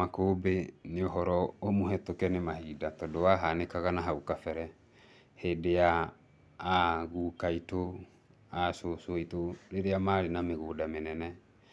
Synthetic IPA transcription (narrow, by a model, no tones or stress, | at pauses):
akoːbeneɔɦɔɾɔomoɦɛtokɛnemaɦidatɔdoaɦanekaɣanaɦaukafɛɾɛ | hedeaː | ɣuːkaito | asosoitoɾeɾeamaːɾenameɣodamenɛnɛ